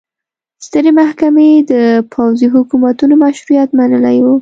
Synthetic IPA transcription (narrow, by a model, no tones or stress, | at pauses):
st̪əɾemahkamed̪əpʰawziɦʊkumat̪unomaʃɾujat̪manəlajo